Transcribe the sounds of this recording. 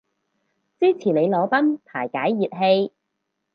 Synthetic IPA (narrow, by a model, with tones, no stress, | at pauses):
t͡siː˥t͡sʰiː˨˩ne˨˧jlɔː˨˥pɐ˥nt̪ʰaː˨˩jkaː˨˥jːiː˨t̚ɦe˧j